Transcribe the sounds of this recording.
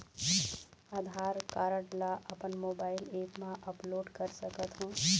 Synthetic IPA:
aːd̪ʱaːɾkaːɾəʈlaʔɐpənmoːbaːɪleːpmãʔɐploːɖkɐɾsɐkət̪ɦũː

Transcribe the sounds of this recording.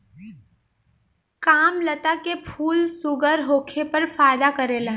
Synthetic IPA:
kaːmlət̪akepʰuːlsʊɡəɾɦoːkʰepɐɾfaːɪd̪akɐɾeːla

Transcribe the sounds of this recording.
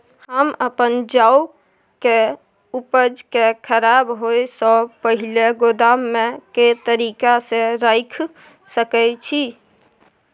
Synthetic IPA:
hɦəməpənd͡ʒau | ke | upəd͡ʒkekʰəɾabɦojsəpəɦileɡod̪amːeket̪əɾikaseɾajkʰ | səkɛt͡ʃʰi

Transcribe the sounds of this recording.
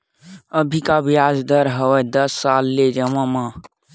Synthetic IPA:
əbʱikabijad͡ʒd̪əɾɦəʋɛd̪əsːalːed͡ʒəmãmã

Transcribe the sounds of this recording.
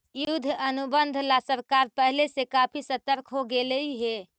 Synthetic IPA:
jud̪ʱənubənd̪ʱlasəɾkaɾpəɦlesekapʰisət̪əɾkʰɦoɡeləiɦe

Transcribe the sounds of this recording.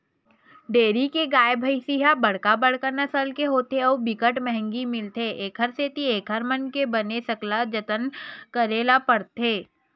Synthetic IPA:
ɖeːɾikeɡaːjbʱəisiɦabɐɽ̤kabəɽkanɐsəlkeɦoːt̪eɔːbɪkəʈmɛɦɛ̃ŋɡimɪlt̪ʰeʔeːkʰəɾseːt̪ieːkʰɦəɾmənkebɐnesɐklad͡ʒət̪ənkəɾeːlapəɽt̪eː

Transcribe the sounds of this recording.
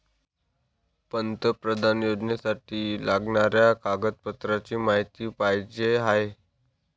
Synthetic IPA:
pənt̪əpɾəd̪ʱanjod͡ʑnjasaʈiːlaɡɳaɾjakaɡət̪̚pət̪ɾat͡ɕiːmaɦit̪iːpajd͡ʑeɦae

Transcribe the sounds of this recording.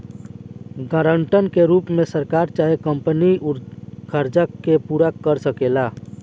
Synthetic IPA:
ɡəɾəɳʈənkeɾupmẽsəɾkaɾt͡ʃaekəmpəniuɾkʰəɾd͡ʒəkːepuɾakəɾsəkela

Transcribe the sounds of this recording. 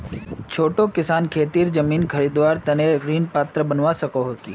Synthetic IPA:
t͡ʃʰoːʈokɪsaːnkʰeːt̪iːɾzəmiːnkʰɐɾid̪waːɾt̪ɐneɡɾiːnpaːt̪ɾəbənʋasɐkoɦoːt̪ḭː

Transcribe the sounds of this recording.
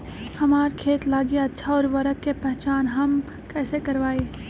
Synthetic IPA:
hɐmaːɾkʰeːt̪laːɡiɐtːʃʰaɔːɾʋɐɾəkːepɛɦt͡ʃaːnɦɐm | kɛːsekɐɾʋaːeː

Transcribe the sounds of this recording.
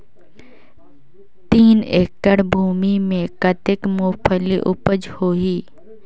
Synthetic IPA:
t̪iːneːkːəɽbʱuːmimẽkət̪ɪkmoːpʰəliʔʊpəd͡ʒhoːɦiː

